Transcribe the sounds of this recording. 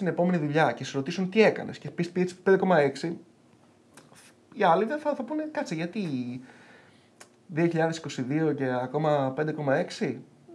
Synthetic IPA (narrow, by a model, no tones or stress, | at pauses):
t̪ine̞po̞me̞niðuʎɐce̞sɾo̞t̪isunt̪ie̞kɐ̰nʔe̞scepispiespend̪e̞ko̞mɐe̞ksi | iɐliveeθɐθɐpune̞kɐt̪t͡siʝɐt̪i | ðio̞çiʎɐðe̞si̥ko̞siðio̞ce̞ɐko̞mɐpend̪e̞ko̞mɐe̞ksi